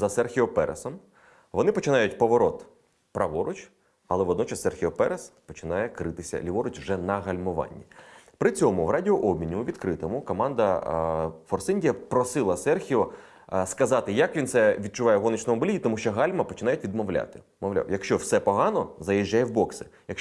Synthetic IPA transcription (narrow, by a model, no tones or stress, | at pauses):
zɐsɛrxʲiɔpɛ̰ɾʔḛsɔm | ʋɔnɪpɔt͡ʃɪnɑjʊtʲpɔʋɔɾɔt̪ | pɾɐʋɔɾʊt͡ʃ | ɐlˠɛʋɔd̪nɔt͡ʃɐsːɛrxʲiɔpɛɾespɔt͡ʃɪnɑjɛkɾɪt̪ɪsʲɐ̰lʲiʋɔɾʊt͡ʃwʒɛnɐɦɐlʲmʊʋɑ̰nʲːipɾɪt͡sʲɔmʊʋrɑdʲɪɔʔɔbʲmʲinʲːʊʋʲid̪kɾɪt̪ɔmʊkɔmɑnd̪ɐ | fɔrsɪnʲdʲijɐpɾɔsɪlˠɐsɛrxʲiɔ | skɐzɑt̪ɪjɐkʋʲinsɛʋʲid̪̚t͡ʃʊʋɑjɛɦɔnɪt͡ʃnɔmɔbɪlʲijit̪ɔmuʃt͡ʃɔɦɑlʲmɐpɔt͡ʃɪnɑjʊtʲʋʲid̪mɔʋlʲa̰t̪ɪ | mɔʋlʲa̰wjɐkʃt͡ʃɔwsɛpɔɦɑnɔzɐjɪʒʲːajɛwbɔksɪjɐk